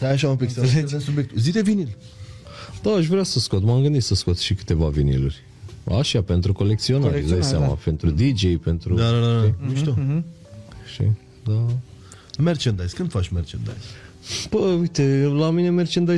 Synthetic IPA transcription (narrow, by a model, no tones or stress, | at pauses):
t̪ajaʃ̬aũmpiksesubjek̚t̪uzid̪evinil | d̪̥aːʃvɾeasəskot̪mamɡɨnd̪it̪səskot̪ʃikɨ̥t̪e̞vavinḭlurʲ | a̰ʃape̞nt̪ɾuko̞lekt̪sio̞naɾd̪ajsama̰pe̞nt̪ɾud̪id͡ʒejpe̞nt̪ɾud̪aad̪aniʃt̪o | ʃḭ | d̪a | mert͡ʃend̪ajskɨnd̪fat͡ʃʲmert͡ʃend̪a̰jz | pəujt̪elamine̞mert͡ʃend̪aj